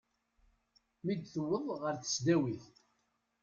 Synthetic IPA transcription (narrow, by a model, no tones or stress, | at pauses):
mid̪θəwəðˤʁəɾθə̥sd̪æwiθ